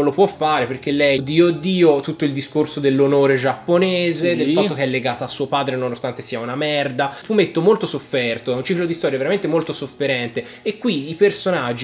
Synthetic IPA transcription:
olopwɔfːaːɾeperkelːɛjd̪iːod̪ːiːot̪ut̪ːoild̪iskorsod̪elːonoːɾed͡ʒapːoneːzed̪elffaːok̟eɛlːeɡaːt̪oasːuːopaːd̪ɾenonost̪ant̪esiːaunamɛrd̪afumːet̪ːomolt̪osofːɛrt̪oɛunt͡ʃiklod̪ist̪ɔːɾjaveɾament̪emolt̪osofːeɾɛnt̪e | ekːwiːipersonad͡ʒːi

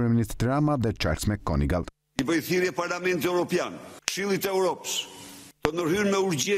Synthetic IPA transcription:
ɾɛminit̪d̪ɾamaðɛt͡ʃa̰ɾsmɛkɔ̰niɡalˠ | ivəjθiɾjɛpaɾlamɛnt̪ɛwɾɔpjankʃilˠit̪ɛuɾɔpə̥sd̪̥ɔnəhynmɛuɾd͡ʑɛ

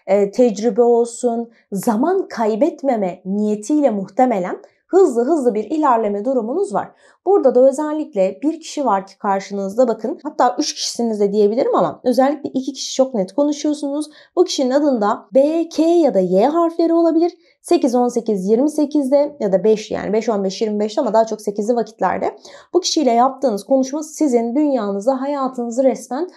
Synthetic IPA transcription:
ɛːt̪ʰɛd͡ʒɾibɛo̞lˠsun | zamankʰajbɛt̪me̞mɛnijet̪ʰijlʲɛmuxt̪ʰeme̞lʲæn | hɯzlˠɯɦɯzlˠɯbiɾilʲæɾlʲe̞mɛd̪uɾumunuzva̰ɾ̥ | b̥uɾd̪ad̪aø̞zɛlʲːiclʲɛbiɾcʰi̥ʃivaɾcʰi̥kʰaɾʃɯnɯɯzd̪abakʰɯnhat̪ʰːaːʔyt͡ʃcʰi̥ʃi̥sinizd̪ɛd̪ije̞bilʲiɾimama̰ø̞zɛlʲːicʲlʲɛʔicʰicʰi̥ʃi̥t͡ʃʰo̞knɛt̪kʰo̞nuʃujo̞sunuz | bucʰi̥ʃininad̪ɯnd̪abecʰejad̪ajeːɦaɾflʲe̞ɾio̞lˠabilʲiɾ̥ | se̞cizo̞nse̞cizjiɾmise̞cʰizd̪ɛjad̪abɛʃja̰ːnʔibɛʃo̞nbɛʃjiɾmibɛʃt̪ɛamad̪aːat͡ʃʰo̞kse̞cizlʲivacʰi̥t̪lʲæ̰ɾd̪ɛ̰b̥ucʰi̥ʃijlʲɛjap̚t̪ʰɯːnɯzkʰo̞nuʃmasizind̪ynjaːnɯzd̪aɦajaːt̪ʰɯnɯzɯɾɛsmæn

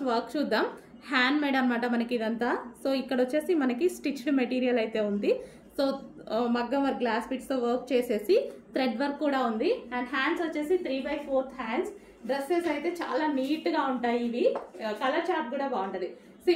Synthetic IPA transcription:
ʋɐɾkt͡ʃuːd̪ːaːmhaːnɖmɛːɖɐmːaːʈɐmɐnɐkiid̪ɐnt̪aːsoːikːɐɽɐʋot͡ʃːe̞ːsimɐnɐkisʈit͡ʃɽmeʈiːɾijɐlɐjt̪e̞ːund̪i | so̞ːmɐɡːɐʋɐɾɡlaːspiːʈst̪oːʋɐɾk̚t͡ʃe̞ːse̞ːsit̪ɾeɖʋɐɾkːuːɽaːund̪iɐɳɖɦaːɳɖsɐt͡ʃːe̞ːsit̪ʰɾiːbɐjpʰoːɾt̪ʰɦaːɳs | ɖɾesːeːsɐjt̪e̞ːt͡ʃa̰ːlaːniːʈɡaːuɳʈaːjiːʋikɐlɐt͡ʃaːp̚ɡuːɽaːbaːuɳʈɐd̪i | sː

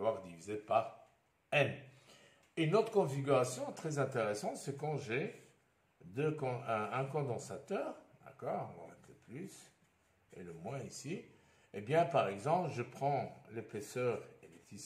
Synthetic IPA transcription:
vwaʁd̪ivizepaʁ | ɛn | enot̪χəkɔ̃fiɡʲyʁasjɔ̃t̪χɛzɛ̃t̪eʁɛsɑ̃t̪sɛkɑ̃ʒe | d̪økɔ̃ɛ̃kɔ̃d̪ɑ̃sat̪œːʁd̪a̰kɔːʁ̃vɑ̰̃nɛt̪leplys | ḛləmwɛ̃isi | ebjɛ̃paʁɛɡzɑ̃plʒəpχɑ̃lepesœʁelet̪i

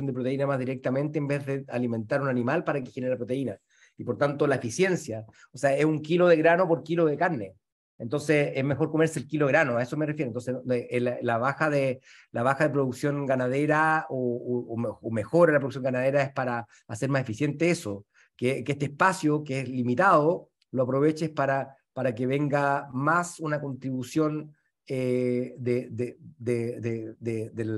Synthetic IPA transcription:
ond̪ep̬ɾot̪e̞inamazðiɾek̚t̪amẽ̞nt̪eːmbe̞zðealime̞nt̪aɾunanimalpaɾakexeneɾapɾot̪e̞ina | ipoɾt̪ant̪olaefisjensja | oseaesuŋkiloðeɣɾano̞po̞ɾkiloðekaɾne̞ | ent̪o̞nseezmexo̞ɾko̞meɾseːlkiloeɾanoaesomerefjeɾont̪onseelalaβaxaðe | laβaxaðep̬ɾoðuksjo̞ŋɡanaðeɾaoːmeome̞xo̞ɾalapɾoðuksjoŋɡanað̞e̞ɾaespaɾaː | se̞ɾmase̞fisje̞nt̪eeso | kekeest̪ehpasjokeezlimit̪aðo | loapɾo̞βe̞t͡ʃespaɾa | paɾakeβe̞ŋɡamasunako̞nt̪ɾiβusjo̞n | ed̪ed̪ed̪eðed̪eel

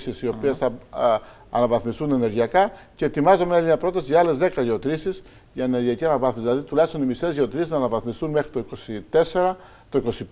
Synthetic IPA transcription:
sisio̞piesθɐ | ɐ̰nɐvɐθmist̪une̞ne̞ɾʝiɐkɐce̞ːt̪imɐzɐmeɐliɲɐpɾo̞t̪ɐsiʝɐɐle̞zðe̞kɐʝeot̪ɾisis | ʝɐene̞ɾʝiɐciɐnɐvɐθmiszðilɐðit̪ulɐjst̪o̞nimist̪e̞zʝeot̪ɾisiznɐːnɐvɐθmist̪unme̞xɾit̪oikosit̪e̞seɾɐ | t̪o̞iko̞si

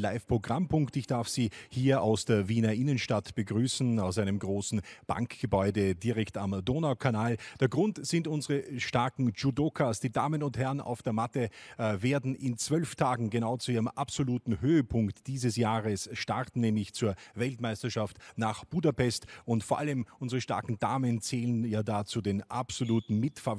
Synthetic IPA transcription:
laɪfpʁ̥oɡʁampʰʊŋktɪçd̥aɐfsiːhiːɐaʊsd̥eːɐviːnɐʔɪnənʃtatb̥əɡʁyːsn̩aʊsaɪnəmɡʁoːsn̩b̥a̰ŋkɡ̥əbɔʏdədiʁɛktamdoːnaʊkʰanaːld̥eːɐɡʁʊntz̥ɪntʊnzəʁəʃtaɐkŋ̩d͡ʒudokʰasd̥iːdaːmənʊnthɛɐna̰ʊfd̥eːɐmatəveːɐdn̩ʔɪnt͡sv̥œlftʰaːɡŋ̩ɡenaʊt͡suiːʁəmʔapsoluːtn̩høːəpʰʊŋktd̥iːzəsjaːʁəsʃtaʁtn̩nɛːmlɪçt͡suːɐvɛltmaɪstɐʃaftnaːχb̥uːdapɛstʊntfoːɐʔa̰ləmʔʊnzəʁəʃta̰ɐkŋ̩da̰ːmənt͡sɛːlənjaːdaːt͡sudeːnʔa̰psoluːtn̩mɪtfɐ

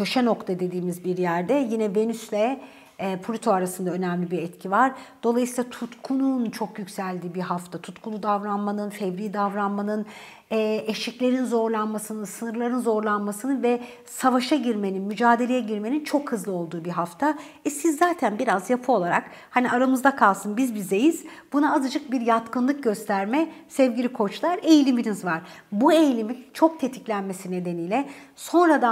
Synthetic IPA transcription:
cʰø̞ʃɛno̞kt̪ʰad̪e̞d̪iːmizbiɾjæɾd̪ɛjinɛve̞nyslʲɛː | pʰolʲit̪ʰoaɾasɯnd̪aø̞nɛmlʲibiɾɛt̪cʰivaɾd̪̥o̞lˠajsiːlˠat̪ʰut̪kʰununt͡ʃʰo̞kjycsælʲd̪iːbiɦaft̪ʰat̪ʰut̪kʰulˠud̪avɾanmanɯnfɛvɾiːd̪avɾanmanɯn | ɛːeʃiclʲe̞ɾinzo̞ɾlˠanmasɯnɯsɯnɯɾlˠaɾɯnzo̞ɾlˠanmasɯnɯnvɛ | savaʃaɟiɾme̞ninmyd͡ʒaːd̪e̞lʲejɛɟiɾme̞nint͡ʃʰo̞khɯzlˠɯo̞lˠd̪uːbiɦaft̪ʰa | ɛsizːaːt̪ʰænbiɾazjapʰɯo̞lˠaɾa̰k | haniaɾamɯzd̪akʰalˠsɯnbizbizejiz̥ | b̥unaːzɯd͡ʒɯk̚biɾjat̪kʰɯnlˠɯk̚ɟø̞st̪ʰæɾmɛsɛvɟilʲikʰo̞t͡ʃlˠaɾe̞jlʲiminizvaɾ̥bue̞jlʲimint͡ʃʰo̞k̚t̪ʰe̞t̪ʰi̥clʲænme̞sine̞d̪e̞niːjlʲɛso̞nɾad̪a

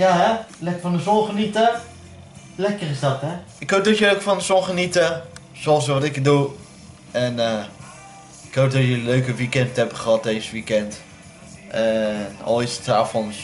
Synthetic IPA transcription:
jaɦɛlɛkəfɔndəzɔnχənitə | lɛkərɪsdɔtɦɛ | ɪkɦowk̚dɔtjəlokfɔndəzɔnχənitə | sɔsʋɑtɪkdu | ɛnə | ɪkɦowk̚dɔtjəløɥkəʋikɛndtɛbəχəɦɑt̚dejzəʋikɛnt | ʔɛnɔ̰lˠisə̥taːfɔns

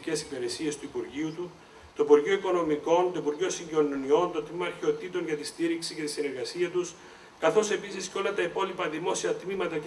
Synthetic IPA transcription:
ce̞sipeɾesie̞st̪uipuɾʝiut̪u | t̪oipuɾʝio̞iko̞no̞miko̞nt̪o̞ipuɾʝo̞siɲɟononio̞nt̪o̞t̪mimɐːɾçeo̞t̪it̪o̞nʝɐt̪ist̪iɾiksice̞t̪isine̞ɾɣɐsiɐt̪us | kɐθo̞se̞pisisco̞lɐt̪ɐipo̞lipɐðimo̞siɐt̪mimɐt̪ɐ

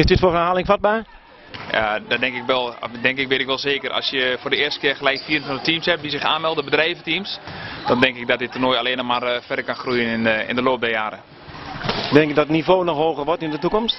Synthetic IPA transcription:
ɪsdɪtfoənhaːlˠɪŋfɔt̚baː | ja̰dɔdɛŋkɪkʋɛlˠdɛŋkɪkʋɪːtɪkʋɛlˠseːkərɔ̰sjəfoːrdəɪːəstə̥kɪərxəlɛjkfiərnfɔndətimshɛp̚disɪxa̰ːnmɛlˠdəbədrɛjvətimsd̥ɔndɛŋkɪk̚dɔtɪtərnoːjaleːnɔxmarfɛdərkanxrujənɪnɪ̰ndəloːp̚dɛjaːɾə | dɛŋkdɔtnifoːnɔxhoːɣərʋɔrtyndətukɔmst

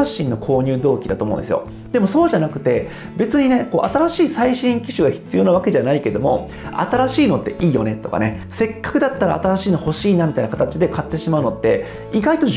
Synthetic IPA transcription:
aɕːĩnːo̞kʰo̞ːɲ̟ɨːd̪o̞ːkʲid̪at̪omõ̰ːnd̪esɨjo̰ | d̪̥e̞mo̞so̞ːʑanakɯ̟t̪e̞ | be̞t͡sɨɲ̟ine̞ko̞ːʔat̪aɾaɕiːsaiɕĩŋkʲiɕɨɡaçi̥t͡sɨjo̞naβake̞ʑanaike̞d̪o̞mo̞̰ | a̰t̪aɾaɕiːno̞t̪ːe̞ʔiːjo̞̰ne̞t̪o̞ka̰ne̞ | se̞kːḁkɯ̟d̪at̪ːaɾa̰ːt̪aɾaɕiːnoho̞ɕiːnamʲit̪ainakat̪at͡ɕid̪e̞kat̪ːe̞ɕimaɯ̟no̞t̪ːe̞ | iɡait̪o̞ʑ

